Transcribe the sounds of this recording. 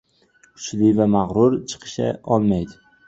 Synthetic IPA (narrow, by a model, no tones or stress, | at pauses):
kʰʊ̥t͡ʃlɪvamaʁɾʊɾt͡ʃʰɨ̥qʰɨ̥ʃa̰ɒlˠmajd̪ɪ